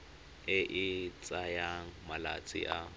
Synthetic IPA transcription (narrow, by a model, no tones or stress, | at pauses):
ɪʔɪt͡sʼajamala̰t͡sʼɪ̰ʔa